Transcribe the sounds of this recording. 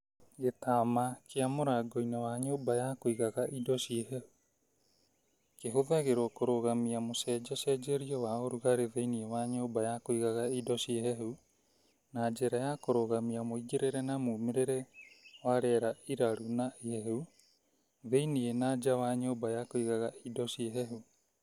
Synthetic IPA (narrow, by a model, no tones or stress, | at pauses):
ɡetaːmakeamoɾaɡoinawaɲoːbajakoiɣaɣaʔidɔsieɦɛhu | keɦoðaɣeɾɔkoɾoɣamiamosɛːd͡ʒɔsɛd͡ʒeɾiɔwaoɾuɣaɾeðeiniewaɲobajakoiɣaɣaidɔsieɦɛɦu | naːd͡ʒeɾajakoɾoɣamiamoiɡeɾeɾɛnamuːmeɾeɾɛwaɾɛːɾaiɾaɾunaiɛɦu | ðeinienad͡ʒawaɲoːbajakoiɣaɣaidɔsieɦɛɦu